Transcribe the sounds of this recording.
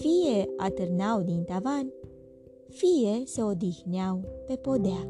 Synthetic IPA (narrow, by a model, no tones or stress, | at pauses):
fijeat̪əɾnawd̪int̪avan | fijeseod̪ixnjawpepod̪ea